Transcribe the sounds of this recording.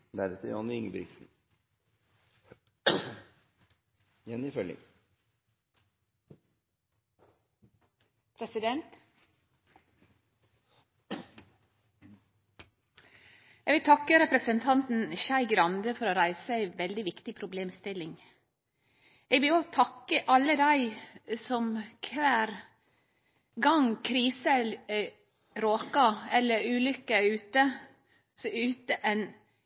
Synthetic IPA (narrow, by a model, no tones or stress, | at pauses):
d̪æɾɛt̪əɾjɑnːəʏŋəbɾɪ̰ksn̩ | jɛnɪfœlɪ̰ŋ | pʰɾɛsɪd̪ɛnt̪ | jɛʋɪlt̪ʰɑkːəɾɛpɾəsənt̪ʰɑnt̪n̩çæɪɡɾɑnd̪əfɔɾoːɾæɪsəæɪʋɛld̪ɪʋɪkt̪ɪpʰɾʊbleːmst̪ɪlɪŋ | eːɡʋɪloːt̪ʰɑkːəʔɑlːəd̪æɪsɔmkʰʋæːɾ | ɡɑŋkʰɾiːsə | ɾoːkɑɛlːəɾʉːlʏkːəʉːt̪ə | sɔʉːt̪əʔɛn